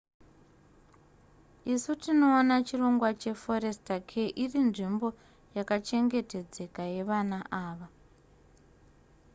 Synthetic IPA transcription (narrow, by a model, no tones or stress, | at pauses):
isutino̞ːnat͡ʃiro̞ŋɡwat͡ʃe̞fo̞ɾe̞stakʰeʔirinʐimbo̞ | jakat͡ʃe̞ŋɡe̞te̞d͡ze̞kaje̞ʋanaʔaːʋa